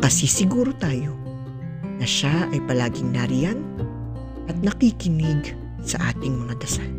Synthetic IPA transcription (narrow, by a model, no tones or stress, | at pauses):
kɐsisɪɡuːɾo̞t̪aːjo̞ | nɐʃaʔɐjpɐlaːɡɪŋnaɾɪjan | ʔɐt̪̚nɐkikɪnɪɡ | sɐʔaːt̪ɪŋmɐŋad̪ɐsan